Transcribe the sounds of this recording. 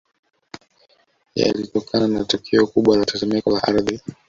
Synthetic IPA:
ja̰litɔkʰananatɔkʰɛɔkuɓwalatazɛmɛkɔlaʔaɾði

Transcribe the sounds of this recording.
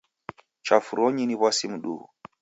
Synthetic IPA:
t͡ʃafuɾoɲiniβwasimuɗṵ

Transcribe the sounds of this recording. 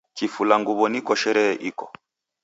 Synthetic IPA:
kifulaŋɡuβɔnikɔʃɛɾɛʔikɔ̥

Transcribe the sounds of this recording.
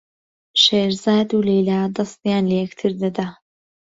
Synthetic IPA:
ʃeːɾzaːd̪ulejlaːd̪ɐst̪jaːnlɐjɛkt̪ʰɨɾd̪ɐd̪a

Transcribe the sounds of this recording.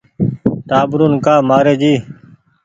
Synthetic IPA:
t̪aːbɾuːnkaːmaːɾeːd͡ʒiː

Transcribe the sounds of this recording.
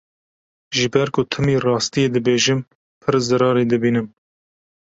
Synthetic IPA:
ʒɨbɛɾkʊt̪ʰɨmiːrɑːst̪ijeːd̪ɨbeːʒɪm | pʰɨɾzɨɾɑːɾeːd̪ɨbiːnɨm

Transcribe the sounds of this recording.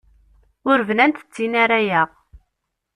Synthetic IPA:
ʊɾvnænt̪ə̥t͡sːinaɾajæʁ

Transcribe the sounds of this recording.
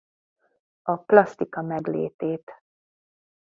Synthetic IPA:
ɒplɒst̪ikɒmɛɡlḛːt̪eːt̪

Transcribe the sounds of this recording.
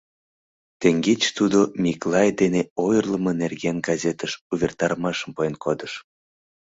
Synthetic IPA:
t̪eŋɡet͡ɕt̪ud̪omʲiklˠɑjd̪eneojərləmə̆nerɣenɡɑzʲet̪əʃuβʲert̪ɑɾmɑʃəmpoenkod̪əʃ

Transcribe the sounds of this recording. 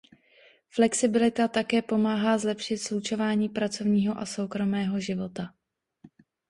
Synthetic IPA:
flɛksɪbɪlɪt̪at̪akɛːpo̞maːɦaːzlɛpʃɪt̪slut͡ʃo̞vaːɲiːpɾat͡so̞vɲiːɦo̞ʔaso̞wkɾo̞mɛːɦo̞ʒɪvo̞t̪a

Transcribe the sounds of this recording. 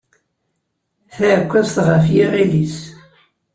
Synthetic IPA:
θækʷːæsθʁəfjiʁilis

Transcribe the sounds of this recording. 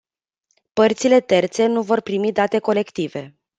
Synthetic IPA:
pərt̪sile̞t̪e̞rt̪se̞nuvo̞rpɾimid̪at̪e̞ko̞le̞kt̪ive̞

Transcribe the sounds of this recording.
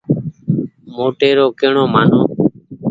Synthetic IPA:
moːʈeːɾoːkeːɳoːmaːn̤oː

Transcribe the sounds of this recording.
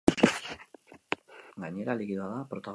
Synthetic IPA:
ɡaɲe̞ɾalikiðoaðapɾot̪aɣ

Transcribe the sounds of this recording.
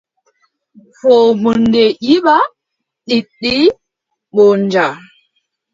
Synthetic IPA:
fɔmundɛʔiɓa | ɗiɗːi | ɓɔɲd͡ʒa

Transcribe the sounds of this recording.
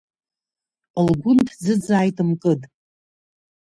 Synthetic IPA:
əlɡʷʊntʰd͡zɨd͡zaːjtʼɨmkʼɨtʼ

